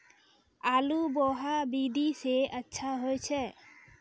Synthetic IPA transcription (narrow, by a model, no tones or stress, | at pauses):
alubɔɦabid̪iseətːʃʰaɦojt͡ʃʰɛ